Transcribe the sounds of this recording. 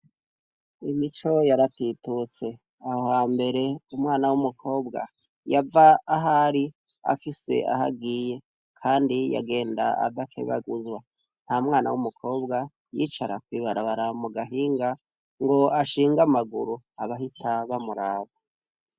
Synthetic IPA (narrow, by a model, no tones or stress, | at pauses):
imit͡ʃo̞jaɾatitut͡se̞ | ahohaːmbe̞ɾe̞umŋaːnawumukʰo̞ːbɡa̰ | javaːɦaɾi | a̰fise̞̰ʔa̰ha̰ɡiːje̞ | kʰaːndija̰ɡe̞ːnda̰a̰d̪akʰḛβa̰ɡuzwa | n̥hamŋaːnawumukʰo̞ːbɡa | jiːt͡ʃaɾakwiːβaɾaβaɾamuɡaɦiːŋɡa | ŋɡo̞aʃiːŋɡamaɡuɾu | aβaɦitʰaβamuɾaːβa